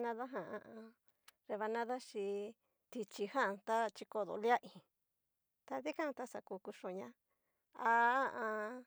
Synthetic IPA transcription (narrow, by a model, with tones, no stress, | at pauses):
nã˦ða˦ɦã˧ã˧ã˧ | ɾe˧βa˧nã˦ða˦ʃi˧ | t̪i˧t͡ʃi˧hã˦˨˧t̪a˦t͡ʃi˧ko˧ðo̰˧˨lja˦ʔĩ˨˧ | t̪a˧ði˦kã˦˧t̪a˧sa˧ku˧ku˧ʂõ˧˨ɲã˧˦ | a˧˦˧ʔã˧